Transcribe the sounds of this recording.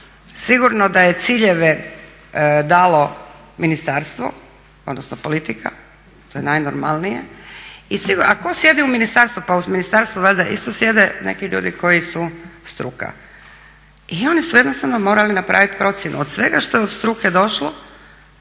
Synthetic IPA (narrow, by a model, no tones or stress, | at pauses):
siɡuɾno̞d̪aje̞t̪siʎe̞ʋe | d̪aːlo̞ | minist̪aːɾst̪ʋo̰ | o̞d̪nosnopo̞lit̪ikʰa̰ | t̪ojenajnoɾma̰lˠnijeisiɡuɾakosje̞d̪iuminist̪aɾst̪upauminist̪aɾst̪ʋuʋeld̪aʔḭst̪osje̞d̪enḛkiʎṵːd̪ikʰo̞jisust̪ɾṵka̰ | io̞nisuje̞d̪nost̪aʋno̞mo̞ːɾalinapɾʔa̰ʋit̪pɾo̞t̪sjenʔṵod̪sʋe̞ɡaʃt̪o̞jeod̪st̪ɾuked̪o̞ʃlo